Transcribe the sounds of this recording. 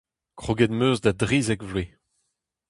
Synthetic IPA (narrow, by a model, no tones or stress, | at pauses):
kχoɡɛd̪møːzdadʁiːzɛkvle